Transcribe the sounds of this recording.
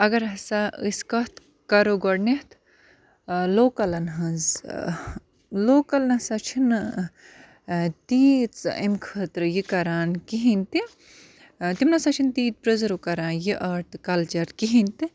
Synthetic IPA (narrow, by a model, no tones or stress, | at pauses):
ɐɡɐɾɦɐsaɨskɐt̪ | kɐɾoɡoɽneht̪ | loːkɐlɐnɦɐ̃nz | loːkɐlnɐsɐt͡ʃʰin | t̪iːt͡sɐmkʰəːt̪ɾɨjikɐɾaːnkiɦinʲt̪i | t̪imnɐsɐt͡ʃʰint̪iːt̪̚pɾɐzɐɾukɐɾaːnjiʔɐɾt̪kɐlt͡ʃɐɾkiɦint̪i